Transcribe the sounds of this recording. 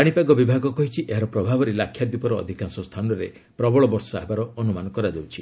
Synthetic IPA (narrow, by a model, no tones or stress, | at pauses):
aɽ̃ipaɡɔbibʱaɡɔkɔɦit͡ʃʰiʔeɦaɾɔpɾɔbʱabɔɾelakʰːjad̪upɔɾɔ̰ːd̪ʱikansɔst̪ʰanɔɾe | pɾɔbɔɭɔbɔɾsɔaɦebaɾɔːnumanɔkɔɾad͡ʒawt͡ʃʰi